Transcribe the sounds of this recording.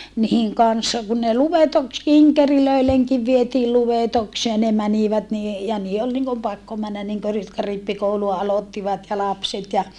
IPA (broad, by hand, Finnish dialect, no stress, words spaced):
nihiŋ kɑnsːɑ kun ne luʋetoks kiŋkeriløileŋkiʋ ʋietiːl luʋetokseː ne mæniʋæt ni e jɑ niːe ol niŋkom pɑkːo mænːæ niŋkø r jotkɑ ripːikouluɑ ɑlotːiʋɑt jɑ lɑpset jɑ